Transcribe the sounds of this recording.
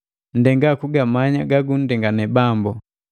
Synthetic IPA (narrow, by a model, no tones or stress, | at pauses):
n̩dɛŋɡakuɡamaɲaɡaɡun̩dɛŋɡanɛbambɔ